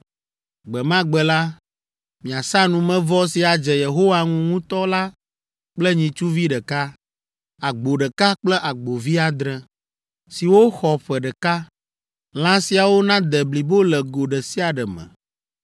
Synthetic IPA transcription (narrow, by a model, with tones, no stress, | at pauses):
ɡ͡bɛ˨mã˦ɡ͡bɛ˨la˦ | mĩ˨a˨sã˦nũ˨mɛ̃˦vɔ˦si˨a˨d͡ʒɛ˨je˨ɦo˦wa˨ŋũ˦ŋũ˦t̪ɔ˦la˦ | k͡plɛ˦ɲĩ˨t͡ʃu˦vi˦ɖɛ˨ka˦ | a˨ɡ͡bo˨ɖɛ˨ka˦k͡plɛ˦ʔa˨ɡ͡bo˨vi˦a˨d̪ɾɛ˨ | si˨wo˦xɔ˨ɸɛ˨ɖɛ˨ka˦ | l̃ã˦si˨a˨wo˦nã˦d̪ɛ˨bli˨bo˦lɛ˨ɡo˨ɖɛ˨si˦a˨ɖɛ˨mɛ̰̃˨